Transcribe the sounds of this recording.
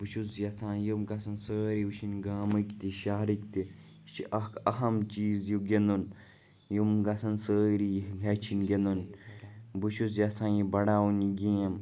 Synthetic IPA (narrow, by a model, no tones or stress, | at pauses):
but͡ʃʰuzjɐt͡s̪ʰãːjimɡɐsʰɐnsəːɾiut͡ʃʰinɡaːmɨkʲt̪iʃaːɾikt̪i | t͡ʃʰiʔɐkʰɐɦɐmt͡ʃiːzjuɡend̪un | jumɡɐsɐnsəːɾijɡʲɐt͡ʃʰinɡend̪un | but͡ʃʰuzjɐt͡sʰãːjibɐɽaːuniɡʲẽːm